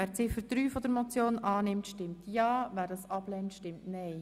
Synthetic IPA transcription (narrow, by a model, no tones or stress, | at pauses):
æːɾt͡sɪfəɾd̪̥ɾyːfɔd̪əɾmɔt͡sjoːnɑːnɪmtʃtɪmtjɑːʋæːɾdɑsɑb̥lɛntʃtɪmtnɛɪ